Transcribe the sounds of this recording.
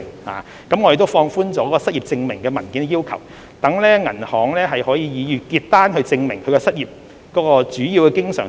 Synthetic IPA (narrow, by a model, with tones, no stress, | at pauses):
ha̰ː˨ | kɐ˨˥mŋɔ˨˧ɾe˨t̪o˥wfɔː˧ŋfuː˥nt͡sɔ˨˥kɔ˨˥kːɔ˧sɐ˥t̚jiː˨p̚t͡sɪ˧ŋmɪ˨˩ŋkɛː˧mɐ˨˩nkiː˨˥n˧jiː˥wkʰɐ˨˩w | t̪ɐ˨˥ŋlɛː˥ŋɐ˨˩nhɔː˨˧ŋlɛː˥ɦɐ˨jhɔː˨˥jiː˨˧jiː˨˧jyː˨kiː˧t̚t̪aː˥nɦɵ˧ɥt͡sɪ˧ŋmɪ˨˩ŋkʰɵ˨˧kɛ˧sɐ˥t̚jiː˨p̚ | kɔː˨˥kɔː˧t͡ʃyː˨˥jiː˨˧wkɛ˧kɪ˥ŋsœː˨˩